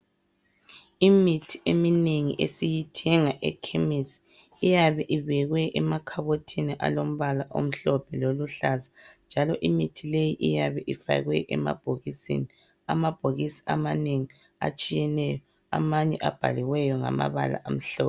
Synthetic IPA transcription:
imitʰi̥ʔemineŋḭʔesijitʰɛŋaʔɛ̰kʰemisi̥ | ijaβɛʔiβɛɣwɛʔɛmakʰaβotʰiniʔa̰lom̩βalaʔo̰m̩ɬɔpʰɛloluɬazand͡ʒʱalɔʔimitʰilejiʔijaβɛʔifa̰ɣwɛʔɛma̰b̥ʱoɣisḭni | amab̥ʱoɣisi̥amaneŋi | a̰t͡ʃʼijɛnɛjɔ | a̰maɲɛʔa̰b̥ʱa̰liwɛjɔŋa̰ma̰βa̰la̰ʔam̩ɬɔːpɛ

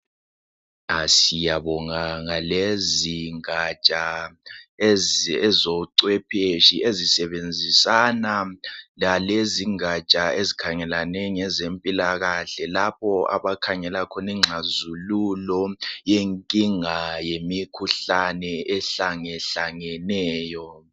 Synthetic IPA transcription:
asijaβɔŋaŋaleziŋat͡ʃʼa | ɛzɔǀwɛpʰeʃiezisɛβend͡zʱisanalaleziŋat͡ʃʼaezikʰaŋɛlanɛŋɛzempʼilaɣaɬɛlapʰɔa̰βakʰaŋɛlakʰɔniŋ͡ǁʱazululɔjeŋkʼiŋajemikʰuɬanɛɛɬaŋɛɬaŋɛnɛːjɔ

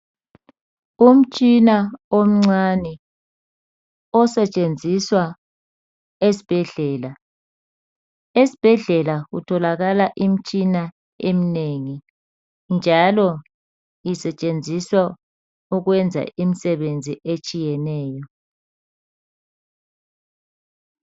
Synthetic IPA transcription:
um̩t͡ʃʼinaom̩ŋ͡ǀanɛ | ɔsɛt͡ʃʼend͡zʱiswa | esi̥b̥ʱɛɮɛːla | esi̥b̥ʱɛɮɛlaɣutʰɔlaɣalaʔim̩t͡ʃʼina | emineŋi | nd͡ʒʱalɔ | isɛt͡ʃʼend͡zʱiswa | uɣwɛnd͡zʱa̰ʔimisɛβend͡zʱiʔet͡ʃʼijɛnɛːjɔ

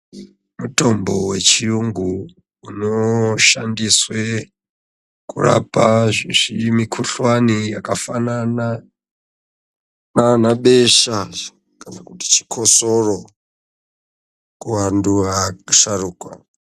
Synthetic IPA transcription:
muto̞mbo̞we̞t͡ʃiuŋɡu | unoʃandiswe | kṵra̰paʐiʐimikʰuɬwanijakafanana | nanaɓe̞ʃa | kanakuti̥t͡ʃi̥kʰo̞soro | kuwanduaʃaruːkwa̰

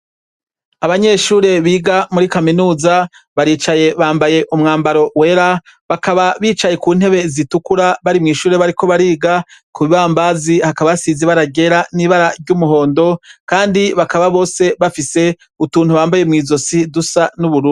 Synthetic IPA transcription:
aβaɲe̞ʃuːɾe̞βiːɡamuɾikaminuːza | βaɾiːt͡ʃaje̞βaːmbaje̞ʔumŋaːmbaɾo̞we̞ːɾa | βakaβaβiːt͡ʃaje̞kuːn̥he̞βe̞zitukuɾaβaɾimŋiːʃuːɾe̞βaɾiko̞βaɾiːɡakuβiβaːmbaːzihakaβasiːziβaɾaɡe̞ɾaniβaɾaɾɟumuɦo̞ːndo̞kaːndiβakaβaβo̞ːse̞βafise̞ | utuːnhuβaːmbajemŋiːzo̞sidusanuβuɾuːndi

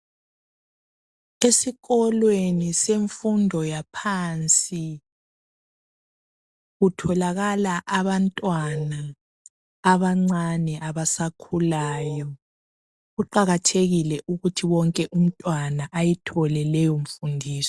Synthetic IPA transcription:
esiɣɔlweniseɱfundʱɔjapʰant͡sʼi | ɣutʰɔlaɣalaʔaβantʼwanaː | βaŋ͡ǀanɛʔaβasakʰulaːjɔ | ɣuǃaɣatʰeɣilɛʔuɣutʰiwɔŋkʼɛʔum̩tʼwanaʔajɛtʰɔlɛlɛjoɱ̩fundʱiːsɔ

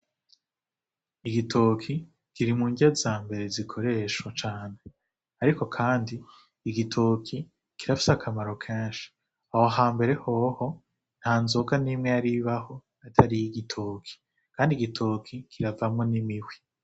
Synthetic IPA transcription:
iɡitʰokʰi | kiɾimuːɲɟazaːmbe̞ɾe̞zikʰo̞ɾe̞ːʃwat͡ʃaːne̞ | aɾiko̞kʰaːndiː | ɡitʰokʰi | kiɾafi̥sakʰamaɾo̞kʰeːnʃi̥ | ahoɦaːmbe̞ɾe̞hoho̞ | n̥haːnzoːɡanimŋejaɾiβaho̞natʰaɾijiɡitʰoːkʰi̥ | kaːndiɡitʰokʰikʰiɾavamŋo̞nimiwi

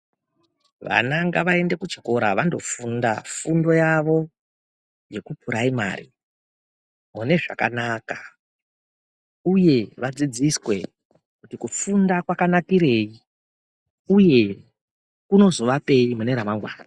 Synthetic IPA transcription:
ʋa̰naŋɡaʋae̞nde̞kut͡ʃoko̞ɾaʋando̞fundafundo̞jaʋo̞ | je̞kupuɾaima̰ːɾi | mune̞ʐa̰ka̰naːkḁ | uje̞ʋad͡zid͡ziswe̞ | kutikufundakwakanakiɾe̞i | uje̞ | kuno̞zo̞ʋape̞imune̞ɾamaŋɡwa̰ːna

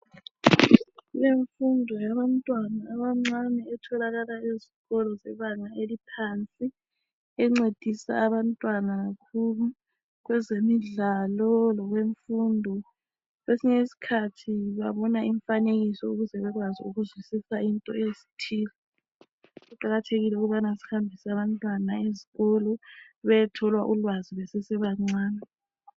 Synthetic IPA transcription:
leɱfundʱɔjaβantʼwanaːβaŋ͡ǀanɛɛtʰɔlaɣalaiziɣɔlɔzɛβaŋaelipʰant͡sʼi | ɛŋ͡ǀed̥ʱisa̰ːβantʼwanaɣakʰulu | ɣwɛzemiɮalɔlɔɣweɱfundʱɔ | ɣwesiɲesi̥kʰatʰiβaβɔnaiɱfaneɣisɔuɣuzɛβɛɣwazḭuɣuzwisisaintʼɔesi̥tʰiːlɛ | ɣuǃaɣatʰeɣilɛuɣuβanasi̥hambʱisaβantʼwanaeziɣɔlɔ | βɛjɛtʰɔlwaʔulwaziβɛsesɛβaŋ͡ǀwaːna

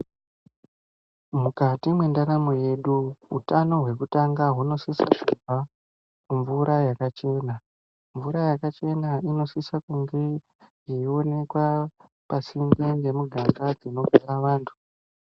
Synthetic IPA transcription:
mukatimwe̞ndaɾamoje̞ɗuṵtano̞ɦwe̞kutaŋɡaɦuno̞sisakuva | kuɱvuɾajakat͡ʃe̞na | ɱvuɾajakat͡ʃe̞naino̞sisakuŋɡe̞ | jeio̞ne̞kwa | pasimbeŋɡe̞muɡʱazad͡zino̞ɡʱaɾaʋaːntʰu̥

